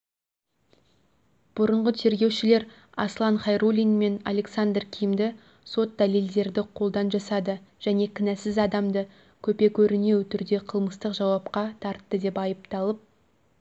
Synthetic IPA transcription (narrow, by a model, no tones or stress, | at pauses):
b̥ʊɾəɴʁət̪ʰe̞ɾɡʲe̞wʃɪle̞ɾ | ɑslˠɑnχɑjɾulʲijnme̞na̰lʲe̞ksand̪rkʲʰijmd̪ɪ | so̞t̪̚d̪aleld̪e̞ɾd̪ɪqʰo̞lˠd̪ɑnʒɑsɑd̪əʒ̥æne̞kʲʰɪnæsɪzɑd̪ɑmd̪ə | kʲʰɵpe̞kʲʰɵɾɪne̞wt̪ʰʏɾd̪e̞qʰəlˠməst̪əqʒɑwɑpqɑt̪ʰɑɾt̪ːəd̪e̞pɑjəpt̪ɑlˠəp̚